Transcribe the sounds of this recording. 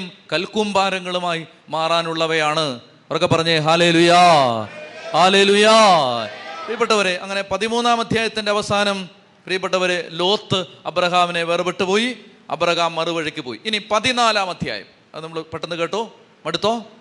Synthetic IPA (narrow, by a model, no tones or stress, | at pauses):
mkɐlkumbaːɾɐŋːɐɭumaːji | maːraːnuɭːɐʋɐjaːɳɨ | orokːe̞pːɐrɐɲːɐɦaːle̞ːluja | haːle̞ːluja | prijɐpːeʈːɐʋɐɾeʔɐŋːɐne̞pɐðimuːnːaːmɐd̪ʱjaːjɐt̪ːinde̞ɐʋɐsaːnɐm | prijɐp̬ːɐʈːɐʋɐɾelo̞ːt̪ːɨɐbɾɐɦaːmine̞ʋerɨbeʈːɨpo̞ːji | ɐ̰bɾɐɣaːmːɐruʋɐɻɐkʲːɨpoːjiʔinipɐðinaːlaːmɐd̪ʱja̰ːjɐ̰m | ɐ̰ðɨnɐmɐɭɨpɐʈːɐnːɨkeːʈːoː | mɐɽut̪ːoː